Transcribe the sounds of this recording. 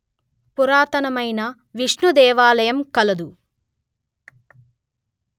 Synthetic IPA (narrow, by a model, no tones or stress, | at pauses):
puɾaːt̪ɐnɐmɐjnɐ | ʋiʂɳud̪ɛːʋaːlɐjɐmkɐlɐd̪u